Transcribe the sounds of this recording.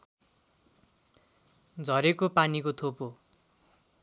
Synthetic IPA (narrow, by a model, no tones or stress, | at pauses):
d͡zʱʌɾekopanikot̪ʰopo